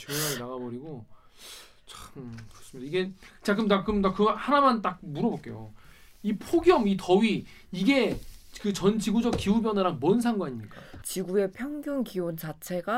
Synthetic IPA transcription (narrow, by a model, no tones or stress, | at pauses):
t͡ɕeaɡnaɣabʌɾiɡo | t͡ɕakɯɾʌs͈ɯmidaiɡe̞t͡ɕak͈ɯmdakɯʌɲidakɯhanamant͈ak̚muɾʌbʌk͈e̞̰jo̰ipʰoɡjʌmitʌɥi | iɡe̞kɯt͡ɕʌnd͡ʑiɡud͡ʑʌk̚k͈iubjʌnaɾaŋ̚mwʌnsʰaŋɡwaɲimɲik͈at͡ɕiɡue̞pʰjʌŋɡjoŋkiont͡ɕat͡ɕʰe̞ɡa